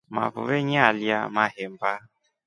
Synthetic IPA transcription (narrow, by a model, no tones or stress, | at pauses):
ma̰vʊ̰veɲalja̰mahem̩ba